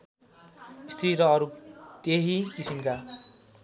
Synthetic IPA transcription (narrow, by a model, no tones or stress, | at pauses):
ist̪ʰɾiɾʌʌɾut̪eɦikisimka